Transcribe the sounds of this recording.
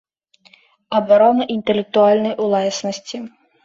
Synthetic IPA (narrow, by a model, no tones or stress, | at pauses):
ɐbaɾɔnɐʔint̪ɛlʲɛk̚t̪ualʲnɐjʔulˠasnɐsʲt͡sʲi